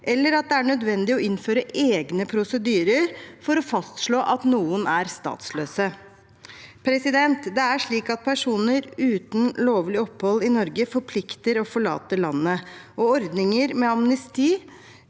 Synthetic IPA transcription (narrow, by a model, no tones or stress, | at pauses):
ʔɛlːəɾɑt̪̚d̪ɛæɳœd̪ʋɛnd̪ɪɔʔɪnføːɾəʔeːɡnəpʰɾʊsəd̪yːɾəɾfɔɾɔfɑst̪ʂɭoːʔɑt̪nuːənʔæɾst̪ɑ̰ːt̪sløːsə | pʰɾɛsɪd̪ɛnt̪d̪ɛæʂɭiːkɑt̪̚pʰæʂuːnəɾʉːt̪n̩loːʋlɪɔpːhɔlːɪnɔɾɡəfɔɾpʰlɪkt̪əɾɔfɔɭɑ̰ːt̪əlɑnːə | ɔɔɾd̪nɪŋəɾmɛɑmnəst̪iː